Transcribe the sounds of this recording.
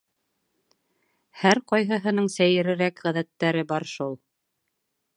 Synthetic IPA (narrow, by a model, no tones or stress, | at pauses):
hæɾqɑjɦɤ̆ɦɤ̆nɤɴsæjɘ̆ɾɘ̆ɾækʁæðæt̪ːæɾɘbɑɾʃulˠ